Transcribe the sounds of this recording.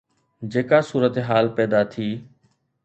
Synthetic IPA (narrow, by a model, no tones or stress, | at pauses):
d͡ʒeːkasuːɾət̪eɦaːlpɛːd̪at̪ʰiː